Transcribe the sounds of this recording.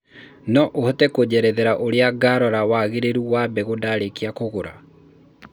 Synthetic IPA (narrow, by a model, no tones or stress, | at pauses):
nɔʔohɔtɛkod͡ʑɛɾɛðɛɾaʔoɾeaɡaːɾɔɾawaɣeɾeɾuwabɛɣodaɾekeakoɣoɾa̰